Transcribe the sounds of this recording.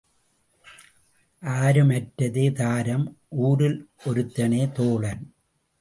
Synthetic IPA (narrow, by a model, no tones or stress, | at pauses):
ʔaːɾɯmɐʈɾɐðeːðaːɾɐmʔuːɾɪlʔɔɾɯt̪ːɐneːt̪oːɭɐn